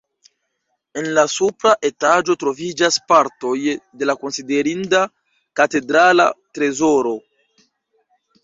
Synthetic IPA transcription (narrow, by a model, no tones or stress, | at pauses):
e̞nlasupɾaʔe̞tad͡ʒo̞tɾo̞vid͡ʒaspaɾto̞jde̞lako̞nside̞ɾinda | kate̞dɾala̰tɾe̞zo̞ɾo̞